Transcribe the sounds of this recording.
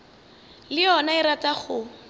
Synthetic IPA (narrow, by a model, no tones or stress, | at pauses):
lɪjɔnaiɾatʼaχʊ